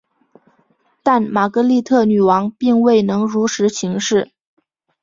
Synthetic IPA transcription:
t̪a˥˩nma˨˩kɤ˧˥li˥˧t̪ʰɤ˥˩ny˨˩wɑ˧˥ŋpi˥˧ŋwe˥˩ɪnɤ˧˥ŋɻu˧˥ʂʰɻ̩˧˥ɕʰi˧˥ŋʂɻ̩˥˩

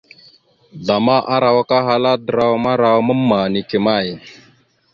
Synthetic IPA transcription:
ɮa˨ma˦ʔa˦ɾa˨wa˦ka˦ɦa˦la˦də˨ɾa˦˨wma˦ɾa˨wmə˦mːa˨ni˨ki˨ma˦˨j

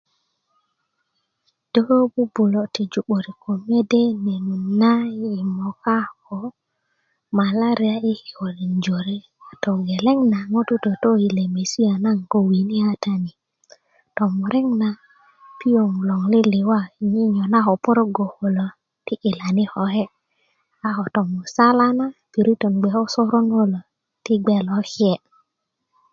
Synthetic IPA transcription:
d̥o˦ɾo˦bu˦bu˨lo˨ti˨d͡ʒu˨ɓo˨ɾi˨ko˨me˦de˦ne˨nu˨na˦i˨mo˨ka˦ko˨ | ma˨la˦ɾi˦a˦i˦hi˨wo˨li˨nd͡ʒo˨ɾi˦˨ | to˨ɡe˨le˦ŋna˨ŋo˦tu˦to˨to˦i˨le˨me˨si˦a˨na˦ŋko˦wi˨ni˦a˦ta˦ni˨ | tɔ˨mu˨ɾʔɛ˦ŋna˨ | pi˦o˨ŋu˨lɔ˨ŋlɪ˦lɪ˨wa˦˨ɲi˦ɲɔ˨na˦ɦɔ˨pɔ˦ɾo˦ɡo˨ho˨lo˨ | tɪ˦ʔɪ˨la˨nɪ˦hɔ˨hɛ˦ | a˦ɦɔ˨tɔ˨mu˨sa˦la˦na˦pi˨ɾi˦to˨nɡ͡bɛ˨hɔ˦sɔ˦ɾo˦no˦lo˨ | tɪ˦ɡ͡bɛ˨lɔ˨˦hɛ˨

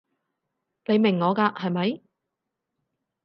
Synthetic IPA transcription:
ne˨˧jmɪ˨˩ŋːɔː˨˧kaː˧hɐ˨jmɐ˨˥j

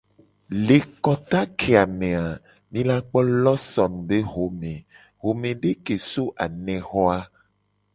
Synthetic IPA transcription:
le˨kɔ˦t̪a˦kʰe˨a˨mẽ˨a˨ | mĩ˦la˦k͡pɔ˦lɔ˦sɔ˨nũ˨be˦ɦo˨mẽ˨ | ɦo˨mẽ˨ɖe˦ke˨so˦ʔa˨nɛ̃˨xɔ˦a˦

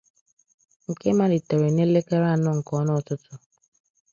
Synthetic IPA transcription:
ŋ̩˨ke˦ma˦dɪ˨te˨ɾe˨ne˦le˦ke˦ɾa˦˨nʊ˦˨ŋ̩˨kɔ˦nʊ˦ɔ˨tʊ˦tʊ˦

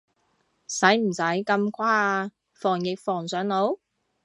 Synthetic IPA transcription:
sɐ˨˥jm̩˨˩sɐ˨˥jkɐ˧mkʰʷwaː˥˧ | fɔː˨˩ŋjɪ˨k̚fɔː˨˩ŋsœː˨˥ŋno˨˥w

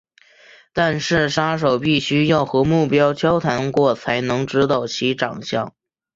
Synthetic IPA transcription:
t̪a˥˧nʂɻ̩˥˩ʂa˥ʂ̬o˨˩ʊpi˥˩ɕy˥jɑ˥˩ʊxɤ˧˥mu˥˩pjɑ˥ʊt͡ɕʰjɑ˥ʊt̪ʰa˧˥nkwɔ˥˩t͡sʰa˧˥ɪnɤ˧˥ŋʈ͡ʂɻ̩˧˥t̪ɑ˨˩ʊt͡ɕʰi˧˥ʈ͡ʂɑ̰˨˩ŋɕjɑ˥˩ŋ

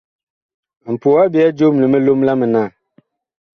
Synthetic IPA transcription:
m̩˨po˨a˦bi˨a˦d͡ʒo˦m˨le˨me˦lo˦mla˦mə˨na˦˨

